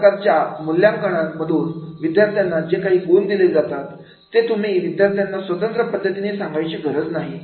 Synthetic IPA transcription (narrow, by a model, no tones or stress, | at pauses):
kat͡ɕjamuljaŋkəɽ̃aməd̪ʱuːnʋid̪jaɾt̪ʰjanːad͡ʑekaɦiːɡond̪iled͡zat̪at̪ː | et̪um̤iːʋid̪jaɾt̪ʰjanːasʋət̪ənt̪ɾəpəd̪ʱːət̪inesaŋɡajt͡ɕeɡʱəɾət͡snaɦi